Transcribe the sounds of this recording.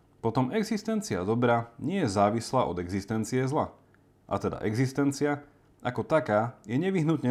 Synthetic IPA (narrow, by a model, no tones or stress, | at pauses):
pɔt̪ɔmɛɡzist̪ɛnt͡sia̰d̪ɔbɾaɲɪɛjɛzaːʋislaːʔɔd̪ɛɡzist̪ɛnt͡siɛzla̰ | ʔa̰t̪ɛd̪a̰ʔɛɡzist̪ɛnt͡sia | akɔt̪akaːjɛɲɛʋiɦnut̪ɲɛ